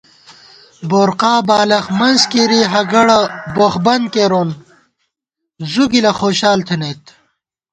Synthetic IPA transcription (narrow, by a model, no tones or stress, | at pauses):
boːɾqaːbaːlɐxmɐnzkiɾiɦɐɡɐɽɐboxbɐnd̪̚keːɾoːn | zuɡilɐxoːɕaːlt̪ʰenet̪